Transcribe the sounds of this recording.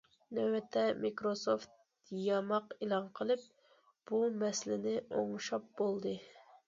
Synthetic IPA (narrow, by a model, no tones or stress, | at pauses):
nɛwɛt̪ʰːɛmikɾosoft̪ | jɑmɑqelˠɑnqʰəlˠɨp̚ | b̥umɛslɪnɪʔoŋʃɑp̚bolˠd̪ɨ